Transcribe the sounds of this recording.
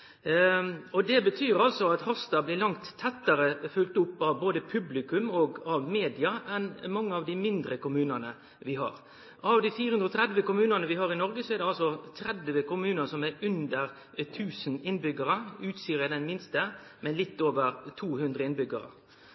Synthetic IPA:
ɔd̪ɛbət̪ʰyːɾɑlsɔɑt̪hɔst̪ɑblɪɾlɑŋt̪ʰːɛt̪ːəɾəfʉlt̪ʊpːɑʋboːd̪əpʰʉblɪkʉmɔɡɑʋmeːd̪ɪɑʔɛnmɑŋːəɑʋd̪ɪmɪnd̪ɾəkʊmʉːnənə | ʋɪɦɑ̰ːɾ | ɑʋd̪ifiːɾəhʉnd̪ɾɔt̪ɾɛd̪ʋəkʊmʉːnənəʋɪɦɑːɾɪnɔɾɡəsɔɛɾd̪ɛɑlsɔt̪ʰɾɛd̪ʋəkʊmʉːnəsɔmæɾʉnd̪əɾ | t̪ʰʉːsənɪnbʏɡəɾəʉːt̪siːɾəd̪ɛnmɪnst̪ə | mɛnlɪt̪ːoːʋəɾt̪ʰuːhʉnd̪ɾəɪnbʏɡə̰ɾə̰

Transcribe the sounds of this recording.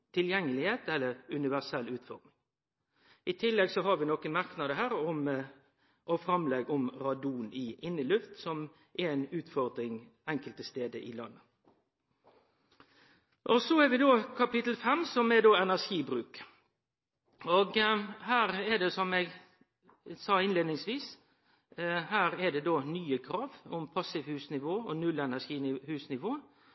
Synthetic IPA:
t̪ʰɪljɛŋːəlɪheːt̪ɛlːəɾʉnɪʋæsɛlːʉːt̪fɔ̰ɾd̪ɪŋ | ɪt̪ʰɪlːɛɡsɔɦɑɾʋɪnɔkəmɑʁknɑd̪əɦæːɾɔm | ʔɔfɾɑmlɛɡɔmɾɑd̪uːnɪʔɪnːəlʉft̪sɔm | ʔɛɛnʉːt̪fɔʁd̪ɾɪŋ | ɛŋkəlt̪əst̪eːd̪əʔɪlɑnːə | ʔɔsɔɛɾʋɪd̪oːkʰɑpɪt̪l̩fɛmsɔmɛd̪oːɛnæʂiːbɾʉːk | oːɡhæːɾɛɖ̪ɛsɔmɛɡ | sɑːɪnleːd̪nɪŋsʋiːs | hæːɾɛɖ̪ɛd̪oːnyːəkʰɾɑːʋɔmpʰɑsɪʋhʉːsnɪʋoːɔnʉlɛnæʂiːhʉːsnɪʋoː

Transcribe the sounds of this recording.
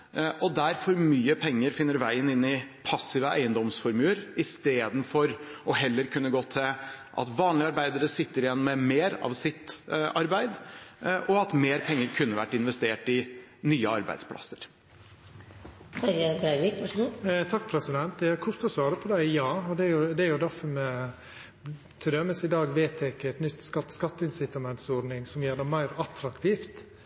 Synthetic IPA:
ʔɔd̪æɾfɔɾmyːəpʰɛŋːəɾfɪnːəɾʋæɪənɪnːɪpʰɑsːɪʋəæ̰ɪənd̪ɔmsfɔɾmʉːəɾɪst̪eːd̪ənfɔɾɔɦɛlːəɾkʰʉnːəɡoːt̪ʰɪʔɑ̰t̪ʋɑːnlɪɑɾbæɪd̪əɾəsɪt̪ːəɾɪjɛnːɔmɛmeːɾɑ̰ːʋsɪt̪ɑɾbæɪd̪ʔɔɑt̪meːɾpʰɛŋːəɾkʰʉnːəʋæ̰ʈːɪnʋɛst̪eːʈɪ | nyːəɑ̰ɾbæ̰ɪd̪spʰlʔɑ̰səɾ | t̪ʰɑɾjɑkʊlaɾʋɪkʋɑʂɡuːt̪ʰɑk̚ːpʰɾɛsɪd̪ɛnt̪ɛæɾkʰʊɾt̪ɔsʋɑːɾəpʰɔd̪æɪjɑːɔd̪ɛɾjʊd̪ɛæɾjʊd̪æɾfɔɾmɛ | t̪ʰɪd̪ɛməsɪd̪ɑːɡʋeːt̪ʰɛkːəɛt̪nʏt̪ːskɑt̪skɑt̪ːəɪnsɪt̪ɑmɛnt̪sɔɾɖnɪŋsɔmjeːɖ̪ɛmæɪɾɑt̪ɾɑkt̪ʰiːft̪

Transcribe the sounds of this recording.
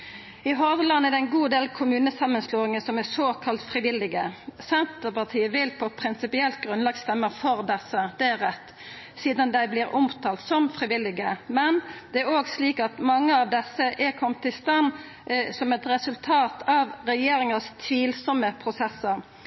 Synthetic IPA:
ɪɦɔʋlɑnːæd̪ɛɪnɡuːd̪eːlkʰʊmʉːnəsɑmːənsloːɪŋəsɔmɛsoːkʰɑlt̪fɾɪʋɪlːɪɡəsɛnt̪əpɑt̪ʰiːəʋɪlpʰɔpʰɾɪnsɪpɪɛlt̪̚ɡɾʉnlɑːɡst̪ɛmːəfɔɾd̪ɛsːəd̪ɛæʁɛt̪ː | siːd̪ɑnd̪æɪblɪːɾʊmt̪ʰɑːlt̪sɔmfʁɪʋɪlːɪɡəmɛnd̪ɛæɾoːɡsliːkɑt̪mɑŋːəɑʋd̪ɛsːəʔɛɾkʰɔmt̪ɪst̪ɑn | sɔmɛt̪ɾɛsʉlt̪ʰɑːt̪ʰɑʋʁɛjeːɾɪŋəst̪ʰʋiːlsɔmːəpʰɾʊsɛsːəɾ

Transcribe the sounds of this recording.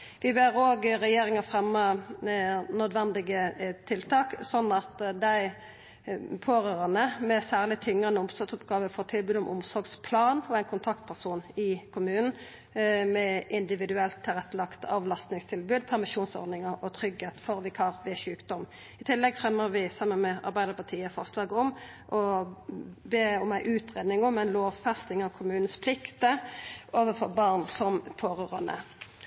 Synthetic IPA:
ʋɪbeːʁoːɡʁɛjeːɾɪŋɑfʁɛmːə | nœd̪ʋɛnd̪ɪɡət̪ʰɪlt̪ʰɑːksɔnːɑt̪d̪æɪ | pʰoːʁøːʁɑnəmɛsæːʁlɪt̪ʰʏŋʁɑnəʊmsɑt̪sʊpɡɑːʋəfɔʁt̪ʰɪlbʉːd̪ɔmʔʊmsɔʁɡspʰlɑːnɔɛɪnkʰʊnt̪ʰɑkt̪̚pʰæʁsuːnɪkʰʊmʉːnn̩ | mɛʔɪnd̪ɪʋɪd̪ʉɛlt̪ʰːɪlʁɛt̪ːəlɑkt̪ɑ̰ʋlɑst̪nɪŋst̪ʰɪlbʉːd̪̚pʰæʁmɪʃuːnsɔ̰ɾd̪nɪŋəɾɔt̪ʰʁʏɡheːt̪fɔʁʋɪkʰɑːʁʋɪʃʉːkd̪ɔm | ɪt̪ʰɪlːɛɡfɾɛmːəʁʋɪsɑmːənmɛɑ̰ʁbæɪd̪əɾpʰɑt̪ʰiːəfɔʁslɑːɡɔm | ʔɔ | beːɔmæɪʔʉːt̪ʁeːd̪nɪŋɔmæɪnloːʋfɛst̪ɪŋɑʋkʰʊmʉːn̩spʰlɪkt̪əʔoːʋəfɔʁbɑʁnsɔmpʰoːʁʉːʁɑ̰nə̰

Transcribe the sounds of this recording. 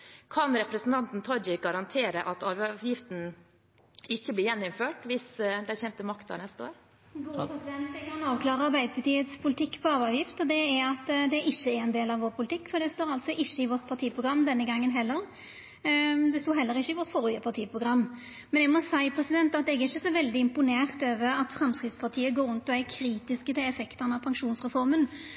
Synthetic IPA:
kʰɑnɾɛpɾəsn̩t̪ʰɑnt̪n̩t̪ʰɔd͡ʒɪɡɑɾɑnt̪ʰeːɾəʔɑt̪ɑːʋʋjɪft̪n̩ | ɪçːəblɪːɾjɛnːʊmføːʈʋɪsd̪ɛçɛnt̪əmɑkt̪ɑ̰nɛst̪əo̰ːɾ | ɡuːpɾɛsɪd̪ɛnt̪ɛɡʰɑnɑːʋklɑːɾəɑɾbæɪd̪əpʰɑt̪iːət̪spʰʊlɪt̪ɪkːpʰɔɑːʋɑʋjɪft̪ɔd̪ɛɛɾɑt̪ːd̪ɛɾʔɪçːəɛɾɛnd̪eːlɑʋoːɾpʰʊlɪt̪ʰɪkːfɔd̪ɛst̪oːɾɑlt̪sɔʔɪçːəɪʋɔt̪̚pʰɑʁt̪ʰiːpʰʁʊɡɾɑmːd̪ɛnːəɡɑŋːənɦɛlːəɾ | d̪ɛst̪uːɦɛlːəɾɪçːəɪʋɔɾt̪foːɾʏəpʰɑt̪ʰiːpʰɾʊɡɾɑmː | mɛnɛɡmɔsæɪpʰɾɛsɪd̪ɛnt̪ɑt̪̚d̪ɛɛɡɛɾɪçːəsɔʋɛld̪ɪɪmpʊneːʁt̪øːʋəɾɑt̪fɾɑmskɾɪt̪spʰɑt̪ʰiːəɡoːɾʉnt̪ɔækʰɾiːt̪ɪskət̪ʰɪlɛfɛkt̪ənɑʋpʰɑŋʂuːnsʁɛfɔɾmən

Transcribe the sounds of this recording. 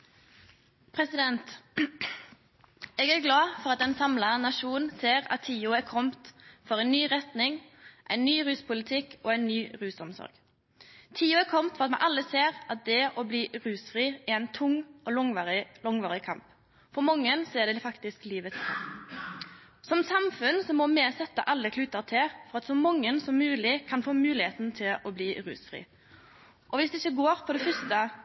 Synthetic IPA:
pʰɾɛsɪd̪ɛnt̪ | ɛɡæɾɡlɑːfɔʁɑt̪̚ɛnsɑmlɑnɑʂuːn̩seːɾɑ̰t̪ʰːiːʊɛɾkʰɔmt̪fɔʁæɪnːyːʁɛt̪nɪŋʔæ̰ɪnnyːɾʉːspʰʊlɪt̪ʰɪkoːæɪnnyːɾʉːsɔmsɔ̰ɾɡ | t̪ʰiːʊɛɾkʰɔmt̪fɔɾɑt̪mɛʔɑlːəseːʁʔɑt̪̚d̪ɛʔɔbliːɾʉːsfɾiːææɪnt̪ʰʊŋɔlŋɪlɔŋʋɑːɾɪkʰɑmp | fɔɾmɔŋːənsɔɛd̪ɛfɑkt̪ɪskliːʋət̪ʰɑ̰ | sɔmsɑmfʉnsɔmɔmɛsɛt̪ːə̰ʔɑlːəkʰlʉːt̪əʁt̪ʰɛfɔɾɑt̪sɔmɔŋːənsɔmːʉːlɪkʰɑnfoːmʉːlɪheːt̪nt̪ʰɪlɔbliːɾʉ̰ːsfɾḭː | ʔɔʋɪsd̪ɛɪçːəɡoːɾpʰɔd̪ɛfœst̪ə

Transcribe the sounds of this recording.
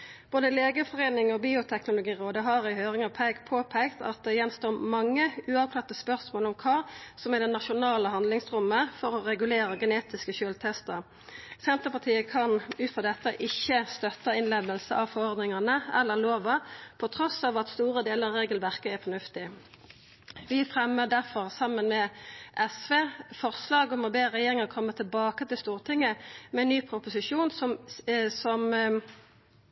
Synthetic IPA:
b̥oːd̪əleːɡəfɔʁeːnɪŋɔbiːʊt̪ʰɛknʊlʊɡiːʁoːd̪əɦɑʁɪɦøːʁɪŋɑpʰæɪɡpʰoːpʰæɪkt̪ɑ̰t̪̚d̪ɛjɛnst̪oːmɑŋːəʉːɑʋkʰlɑt̪ːəspœʁsmoːlɔmkʰɑːsɔmɪd̪ɛnɑʃʊnɑːləɦɑnd̪lɪŋsʁʉmːəfɔʁɔʁɛɡʉleːʁəɡɛneːt̪ɪskəʃøːlt̪ʰɛst̪əʁ | sɛnt̪əʁpɑt̪ʰiːəkʰɑnʉːt̪fʁɑːd̪ɛt̪ːəʔɪçːəst̪œt̪əɪnleːd̪əlsəʔɑʋfɔɔʁd̪nɪŋɑnəɛ̰lːəʁloːʋɑpʰɔt̪ʰʁɔsɑːʋɑt̪st̪uːʁəd̪eːləʁeːɡəl̩ʋæʁkəæʁfɔnʉft̪ɪ | ʋɪfʁɛmːəd̪æʁfɔʁsɑmənmɛʔɛsʋeːfɔʁslɑːɡɔmɔbeːʁɛjeːʁɪŋəʁkʰɔmːət̪ʰɪlbɑːkət̪ɪlst̪uːʁt̪ʰɪŋːəmɛnːyːpʰʁʊpʊsɪʂuːnsɔsɔm

